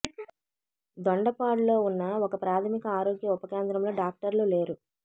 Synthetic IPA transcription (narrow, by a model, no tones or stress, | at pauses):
d̪ɔɳɖɐpaːɽlo̞ːunːɐɔkɐpɾaːt̪ʰɐmikɐaːɾo̞ːɡjɐupɐkeːnt̪ɾɐmlo̞ːɖaːk̚ʈɐɾlule̞ːɾu